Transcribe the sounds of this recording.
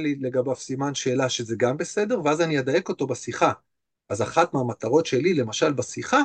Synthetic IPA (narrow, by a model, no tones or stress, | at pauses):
lile̞ɡabavsimanʃe̞ːlaʃezeɡambe̞se̞de̞ʁveazanijed̪aje̞ko̞to̞basiχa | ʔazaχatmeamat̪aʁo̞tʃe̞lile̞maʃalbasiχa